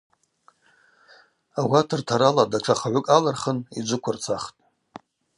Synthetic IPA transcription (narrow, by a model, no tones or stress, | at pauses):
awʷatʰɨrtʰaɾaladaʈ͡ʂʰaχaʕʷʊkʼalarχənid͡ʒʷʊkʷʰart͡sʷʰaχtʼ